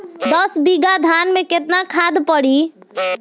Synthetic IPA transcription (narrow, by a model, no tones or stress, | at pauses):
d̪əsbiɡad̪ʱanmeket̪nakʰad̪pəɽi